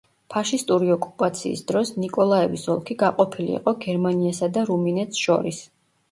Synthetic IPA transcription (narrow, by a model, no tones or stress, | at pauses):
pʰaʃist̪ʼuɾiɔkʼu̥pʼat̪sʰḭːsd̪ɾɔsnikʼɔlˠaɛvisɔlˠkʰiɡaqʼɔpʰilḭːqʼɔɡɛɾmaniasad̪aɾuminɛt̪sʃɔɾis